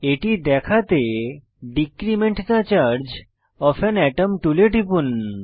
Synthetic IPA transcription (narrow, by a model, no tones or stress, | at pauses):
eʈid̪ɛkʰat̪e | ɖikɾimeɳʈd̪at͡ɕaɾd͡ʑ | ɔpʰɛnɛʈəmʈuleʈipun